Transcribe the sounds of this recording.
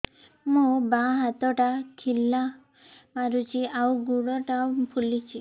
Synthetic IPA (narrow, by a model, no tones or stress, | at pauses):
mũbaɦat̪ɔʈakʰilːa | maɾut͡ʃʰiawɡuɽɔʈapʰulit͡ʃʰi